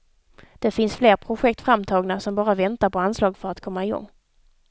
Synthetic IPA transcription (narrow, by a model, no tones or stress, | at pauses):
d̪̥ɛfɪnsfleːɾpʰɾʊɧɛkt̪fɾamːt̪ʰɑːɡnasɔmbɑːɾavɛnt̪aɾpɔanslɑːɡfœɾat̪kʰɔmːaɪɡɔ̰ŋː